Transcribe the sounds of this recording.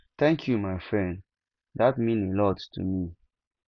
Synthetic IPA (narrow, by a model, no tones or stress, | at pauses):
t̪ɛ̃ŋkʰjumaɪfɹɛ̃n | datmĩnelɔdtʰṵmi